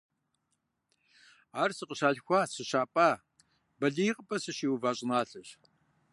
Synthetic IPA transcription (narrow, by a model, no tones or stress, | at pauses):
aːrsɨqəɕaːɮxʷaːsɨɕaːpʼaː | bɐɮijqʼəpʼɐsɨɕiːwvaːɕʼɪnaːɬɐɕ